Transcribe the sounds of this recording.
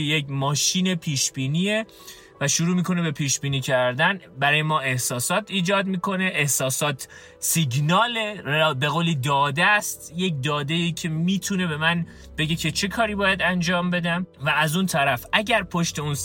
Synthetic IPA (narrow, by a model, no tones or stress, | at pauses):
ejecmɒːʃiːne̞pʰiːʃb̥iːnie | væʃuɾuːmiːkʰo̞ne̞be̞pʰiːʃbiːniːcʰæɾd̪ænbæɾɒːjemɒːʔe̞hsɒːsɒːt̪ʰiːd͡ʒɒːd̪miːkʰo̞ne̞ʔehsɒːsɒːt̪ʰ | siɟnɒːlebeɣoːliːd̪ɒːd̪æst̪je̞c̚d̪ɒːd̪eiːcʰe̞miːt̪ʰune̞be̞mæn | b̥e̞ɟe̞cʰe̞t͡ʃʰe̞kʰɒːɾiːbɒːjæd̪ænd͡ʒɒːmbe̞d̪æmvææzunt̪ʰæɾæfʔæɟæɾpʰoʃt̪e̞un